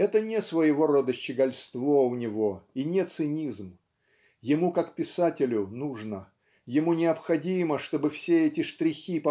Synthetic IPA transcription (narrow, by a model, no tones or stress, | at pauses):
ɛt̪ənʲɪsvəjɪvo̞ɾod̪əɕt͡ɕɪɡɐlʲst̪vo̞ʊnʲɪvo̞inʲɪet̪sɨnʲizm | jɪmukakpʲɪsatʲɪlʲʊnuʐnə | jɪmunʲɪɐpxɐdʲiməʂt̪o̞bɨfsʲeɛtʲɪʂt̪ɾʲɪxʲip